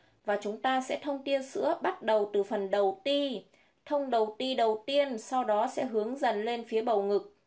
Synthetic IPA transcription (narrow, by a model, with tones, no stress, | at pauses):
vaː˨˩t͡ɕʊ˨˦ŋ͡mt̪aː˧sɛ̰˧˥t̪ʰə˧wŋ͡mt̪i˧ənsɨ̰˧˥əɓa˦˥t̚ɗə˨˩wt̪ɨ˨˩fə˨˩nɗə˨˩wt̪i˧ | t̪ʰə˧wŋ͡mɗə˨˩wt̪i˧ɗə˨˩wt̪i˧ənsa˧wɗɔ˨˦sɛ̰˧˥ɦɨ˨˦əŋzə˨˩nle˧nfi˨˦əɓə˨˩wŋɨ˨˩k̚